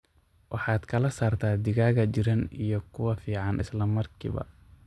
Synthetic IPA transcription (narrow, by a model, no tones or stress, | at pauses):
wʔɑħɑːd̪̥kʰɐlɐsaːrt̪ʰaːd̪ɪɣaːɣɐt͡ʃɪɾɐnijɞkʰʊwɐfiːʕɑnʔɪ̰slɐmːɐrkʰḭːβɐ̰